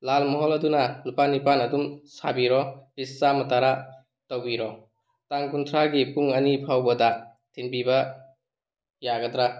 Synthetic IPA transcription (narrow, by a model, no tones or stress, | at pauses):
lalmɔɦɔlɐdunɐnupanipanɐdumsabiɾɔɾisːamɐtaɾa | towbiɾɔ | taŋkuntʰɾaɡipuŋɐnipʰawbɐdɐtʰenbibɐ | jaɡɐdɾa